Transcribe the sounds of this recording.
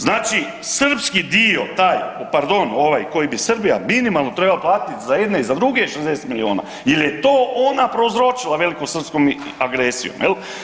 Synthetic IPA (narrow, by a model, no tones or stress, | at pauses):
znaːt͡ʃi | sr̩pskid̪io̞t̪aːjopaɾd̪o̞no̞ʋajko̞jibisrbijaminimalˠno̞t̪ɾe̞balaplˠaːt̪it̪zajed̪neizad̪ɾuɡeiʃezd̪eset̪milioːna̰ | jelje̞t̪oːʔonapɾozɾo̞t͡ʃilˠaʋe̞likosr̩pskom | aɡɾesḭjo̰mjel